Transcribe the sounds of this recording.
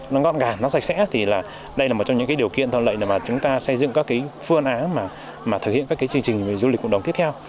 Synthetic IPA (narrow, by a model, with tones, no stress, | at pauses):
nɔ˨˦ɣɔ̰˧˨nɣaː˨˩nɔ˨˦sa˨˩jk̚sɛ̰˧˥t̪ʰi˨˩laː˨˩ | ɗə˧jlaː˨˩m˨˩t̚t͡ɕŋ͡mɲɨ̰˧˥kaː˨˦ɗi˨˩əwkḭ˧˨ənt̪ʰə˧˨nlə̰˧˨jna˨˩maː˨˩t͡ɕʊ˨˦ŋ͡mt̪aː˧sə˧jzɨ̰˧˨ŋkaː˦˥kːa˨˦jfɨ˧ənʔaː˨˦maː˨˩ | maː˨˩t̪ʰɨ˨˩khḭ˧˨ə˨nkːkːaː˨˦jt͡ɕɨ˧ŋt͡ɕï˨˩ŋ̟ve˨˩zu˧li˨˩kːɗə˨˩ŋ͡mt̪i˦˥ət̪ʰɛ˧w